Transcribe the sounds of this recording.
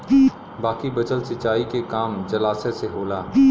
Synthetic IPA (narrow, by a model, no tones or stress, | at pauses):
baːkibɐd͡ʒəlsɪt͡ʃaːikekaːmd͡ʒɐlaːseseɦoːlaː